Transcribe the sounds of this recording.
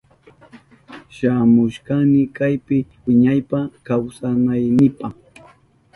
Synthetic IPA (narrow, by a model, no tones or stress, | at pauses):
ʃamʊʃkanɪkajpɪwɪɲajpakawsanajnɪpɑχ